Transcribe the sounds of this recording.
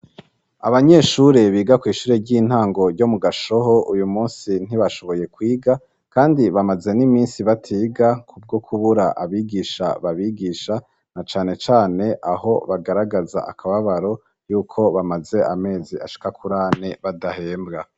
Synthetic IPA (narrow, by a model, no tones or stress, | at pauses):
a̰βaɲe̞ːʃuɾe̞βiːɡakwiːʃuːɾe̞ɾɟiːn̥haːŋɡo̞ɾɟo̞muɡaʃo̞ɦo̞ujumuːnsin̥iβaʃo̞βo̞je̞kwiːɡa | kaːndiβamaze̞nimiːnsiβatʰiːɡakʰub̚ɡo̞kʰuβuɾaʔaβiːɡiːʃa̰βaβiːɡiːʃa | nat͡ʃaːne̞t͡ʃaːne̞ʔaho̞βaɡaɾaɡaza̰ʔa̰kʰaβaβaɾo̞ | juːkʰo̞βamaze̞ʔame̞ːziaʃi̥kakʰuɾaːne̞βadahe̞ːmbɡa